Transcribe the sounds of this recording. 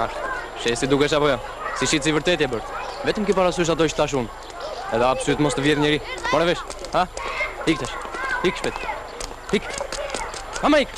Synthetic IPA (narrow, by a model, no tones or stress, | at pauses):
aʃ | ʃɛsid̪ukɛʃapɔjɔ | siʃit̪sivəɾt̪ɛt̪jɛbəɾt̪vɛt̪əmkəpaɾas̬uʃ̬at̪ɔəʃt̪θaʃ̬un | ɛðɛabsuut̪mɔst̪əvjɛθɲɛɾimɔnɛvɛʃhahikt̪aʃhikʃpɛt̪ | hik | hamaik